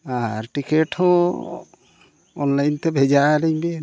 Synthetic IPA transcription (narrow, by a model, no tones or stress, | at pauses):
aɾʈikeʈhɔ̃ | ɔnlajnt̪ɛbʱɛd͡ʒalɛɲbe